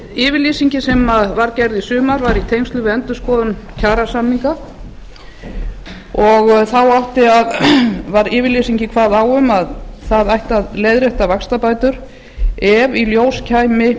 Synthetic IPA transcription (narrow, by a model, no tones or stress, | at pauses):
ɪːvɪɾliːsiɲcɪsɛmaðvaɾcɛɾðisʏːmaɾvaɾit̪ʰejmst̪lʏvɪɛnt̪ʏ̥skɔːðʏncʰaːɾasamniŋka | ɔɣθawaht̪ɪaðvaɾɪːvɪɾliːsiɲcɪkʰvaːðaːwʏmaðθaðajht̪aðleːjðɾeht̪avakst̪apaːjt̪ʏɾ̥ | ɛviljoːwscʰaːjmɪ